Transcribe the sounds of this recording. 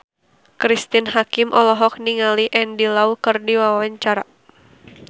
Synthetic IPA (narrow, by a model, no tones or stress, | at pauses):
kɾist̪inɦakɪmʔɔlɔɦɔk̚niŋaliʔɛndilaukɨrdiwawaɲt͡ʃaɾa